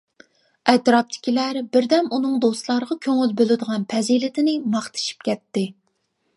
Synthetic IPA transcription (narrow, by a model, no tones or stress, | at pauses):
ɛt̪ɾɑp̚t̪ʰɪ̥kʲilæɾbɪɾd̪ɛmunɨŋd̪ost̪lˠɑɾəʁɑkʲʰøŋylbølɪd̪əʁɑnpʰɛzilɪt̪ʰɪnɪmɑχt̪ʰɨ̥ʃi̥p̚kʲɛt̪ːɪ